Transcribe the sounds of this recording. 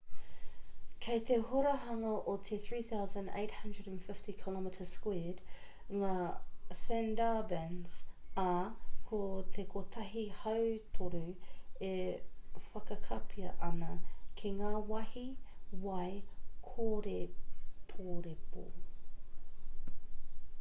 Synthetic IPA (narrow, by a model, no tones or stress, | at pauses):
kʰejt̪ehoɾɐɦɐŋɐʔot̪ʰeθɹiːθawzə̃ndḛɪthɐ̃ndɹədæ̃nfɪftikʰɪlɔmitʰəskwɛd̥ | ŋaːsɛndabɛnz̥ɐkʰot̪ʰekʰot̪ʰɐɦihɐwt̪ʰoɾue | fɐkɐkʰɐpʰiɐ̰ʔɐnɐkʰeŋaːwɐhiwɐjkʰoːɾepʰoːɾepo̰